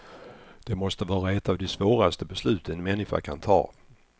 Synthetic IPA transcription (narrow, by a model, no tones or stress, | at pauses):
d̪̥ɛmɔst̪əvɑːɾaɛt̪ːavd̪ɛsvoːɾast̪əbɛslʉ̟ːt̪ʰənmɛnːɪɧa̰kʰant̪ʰɑ̰ː